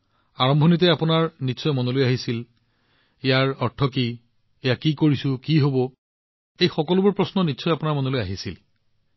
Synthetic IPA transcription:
aɹɔmbʱɔnit̬ɛapʊnaɹnitːsɔjmɔnɔlojaɦisil | ɛjaɹɔɹtʰɔki | ɛjakikoɹisʊkiɦobɔ | ejxɔkɔlʊbuɹpɹɔsnɔnitːsɔjapʊnaɹmɔnolojaɦisḭl

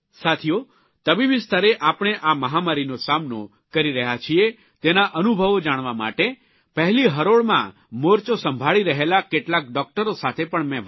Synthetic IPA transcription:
sat̪ʰijo | t̪əbiʋist̪ʰaɾeʔapɳ̃eʔaməɦamaɾinosamno | kəɾiɾəɦjat͡ʃʰie | t̪enaʔənubʱəʋd͡ʒaɽ̃ʋama̰ʈe | pəɦliɦəɾoɭmã̰ | moɾt͡ʃosəmbʱaɭiɾəɦelakeʈlak̚ɖɔk̚ʈəɾosat̪ʰepəɳmɛ̃

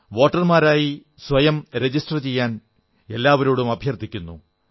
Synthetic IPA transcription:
ʋo̞ːʈːɐrmaːɾaːji | sʋɐjɐmɾe̞d͡ʑisʈrɐt͡ɕe̞jːaːn | e̞lːaːʋɐɾoːɽumɐbʱjɐrt̪ʰːikʲːunːṵ

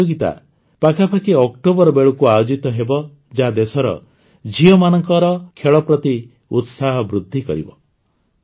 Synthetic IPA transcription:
oɡit̪a̰ | pakʰapʰakiɔk̚ʈobɔɾɔbeɭukuajod͡ʒit̪ɔɦebɔ | d͡ʒad̪esɔɾɔ̰ | d͡ʒiɔmanɔŋkɔɾɔkʰeɭɔpɾɔt̪i | ut̪saɦɔbɾud̪ʱːikɔ̰ɾḭbɔ

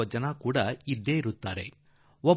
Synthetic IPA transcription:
ɐd͡ʒɐnakuːɽɐid̪ːe̞ːiɾut̪ːaːɾe̞ | ɔ

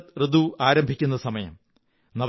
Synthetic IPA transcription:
t̪rɨd̪uaːɾɐmbʱikʲːunːɐsɐmɐjɐ̰m | nɐʋ

